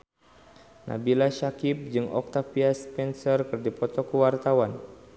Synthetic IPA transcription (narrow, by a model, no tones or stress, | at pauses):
nʔa̰bilaʃakip̚d͡ʒɨŋɔ̰k̚t̪afiaspɛnsərkɨrdipɔt̪ɔkəwart̪awan